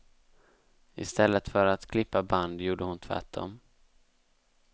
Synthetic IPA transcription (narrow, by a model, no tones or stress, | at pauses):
ɪ̰st̪ɛlːət̪fœɾat̪kʰlɪpːaband̪juːɖəhʊnt̪ʰvæ̰ʈːdɔ̰m